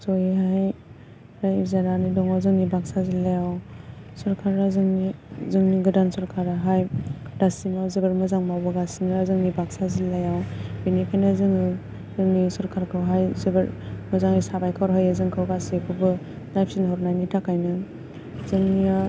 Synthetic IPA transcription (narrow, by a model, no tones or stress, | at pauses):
zɔjiɦaj | ɾajzaɾanidɔŋazɯŋnibaksazilːajawsɯɾkʰaɾazɯŋnizɯŋniɡɯdansɔɾkʰaɾaɦajd̥asimawzebeɾmɯzaŋmawbɯɡasimazɯŋnibaksazilːajawbinikʰajnazɯŋɯ | zɯŋnisɔɾkʰaɾkʰɯwɦajzebeɾmɯzaŋisabajkʰaɾɦajazɯŋkʰɯwɡasipʰɯbɯ | najpʰsinɦɔɾnajnitʰakʰajnɯ | zɯŋnia